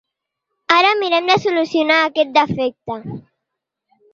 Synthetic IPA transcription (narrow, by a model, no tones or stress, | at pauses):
aɾamiɾɛmd̪əsulusjunaːkɛt̪̚d̪əfɛk̚t̪a